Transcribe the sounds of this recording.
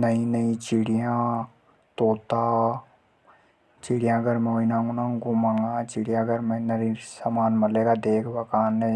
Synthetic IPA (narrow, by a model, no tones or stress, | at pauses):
nɐĩnɐĩt͡ʃɪɽijã | t̪oːt̪aː | t͡ʃɪɽijãɡəɾmẽoinãŋɡunãɡumaŋɡat͡ʃɪɽijãɡɐɾmẽnɐɾisamaːnmɐleːɡad̪eːkʰbɐkaːnːẽ